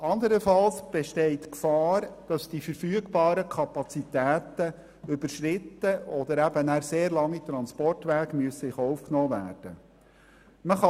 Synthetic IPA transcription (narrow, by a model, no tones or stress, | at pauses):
ɑnd̪əɾəfɑlsb̥ɛʃtɛɪtkfɑːɾd̥ɑsd̥ifəɾfyəɡbɑːɾəkʰɑpɑt͡sitæːtə | ʏbəɾʃrɪtːəɔd̪əɾæb̥ənæːɾseːɾlɑŋːit̪ɾɑnspɔrtʋæːɡmyəsɪχɔwfknɔːvæ̰ːrd̥ə | məχɑ